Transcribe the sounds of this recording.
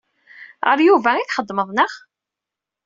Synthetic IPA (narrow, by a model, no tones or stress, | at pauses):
ə̰ɾˤjuvæiθχəd̪ːməðˤnəχ